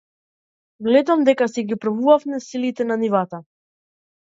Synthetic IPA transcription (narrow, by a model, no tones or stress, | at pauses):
vlɛd̪amd̪ɛkasɛɡipɾavuvafmɛsilit̪ɛnanivat̪a